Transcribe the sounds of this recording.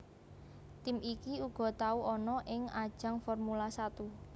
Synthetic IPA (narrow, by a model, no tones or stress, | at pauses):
t̪ɪmikiuɡ̥ɔ̤t̪auʔɔnɔʔɪŋad̥ʒ̥a̤ŋfɔrmulasat̪u